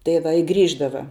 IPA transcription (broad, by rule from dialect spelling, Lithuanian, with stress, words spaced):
tɐɪ ˈʋɐ ɪ ˈɡrʲiːʒdɐʋɐ